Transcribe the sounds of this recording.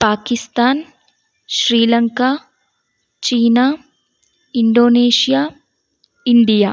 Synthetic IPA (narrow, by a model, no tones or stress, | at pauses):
paːkist̪aːn | ʃɾiːlɐŋka | t͡ʃiːna | iɳɖoːneːʃijaː | iɳɖija